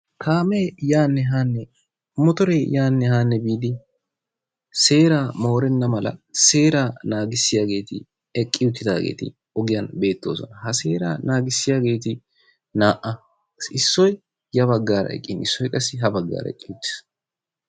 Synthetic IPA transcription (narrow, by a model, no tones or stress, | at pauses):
kaːmeːjaːnːɛɦaːnːɛ | mɔt̪ɔɾejaːnːɛhaːnːɛbiːd̪ɪ | se̞ːɾaːmo̞ːɾɛnːɐmɐlɐ̰se̞ːɾaːnaːɡɪsːɪjaːɡe̞ːt̪ɪ̰ | ɛkʼːɪjʊt̪ːɪd̪aːɡḛːt̪ɪ̰ | ɔɡɪjɐnbe̞ːt̪ːo̞ːsɔ̰nɐhɐse̞ːɾa̰ːnaːɡɪsːɪjaːɡe̞ːt̪ɪ | naːʔʔɐ | ɪsːɔj | jɐβɐɡːaːɾɐ̰ɛ̰kʼːɪnɪsːɔjkʼɐsːɪɦɐbɐɡːa̰ːɾɐ̰ɛ̰kʼːɪjʊt̪ːɪ̥s